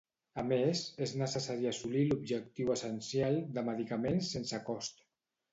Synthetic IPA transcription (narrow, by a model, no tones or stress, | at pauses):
amezeznəsəsaɾiasulilubʒək̚t̪iwəsənsjalˠd̪əməðikamensensəkɔst̪